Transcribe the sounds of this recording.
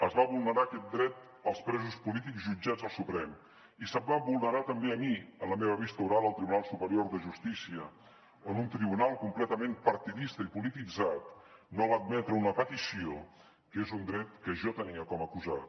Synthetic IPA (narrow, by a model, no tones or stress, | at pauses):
əzβaβulˠnəɾakɛt̪̚d̪ɾɛt̪ | əlˠspɾɛzuspulit̪ikzʒud͡ʒad͡zəlˠsupɾɛm | isəmbaβulˠnəɾat̪əmbeəmiənləmeβəβist̪əuɾalˠəlˠt̪ɾiβunalˠsupəɾioɾðəʒust̪isiə | onunt̪ɾiβunalˠkumplɛt̪əmempəɾt̪iðist̪əipulit̪id͡zat̪nolad̪̚mɛt̪ɾəunəpət̪isio | kezund̪ɾɛt̪kəʒɔt̪əniəkɔməkuzat̪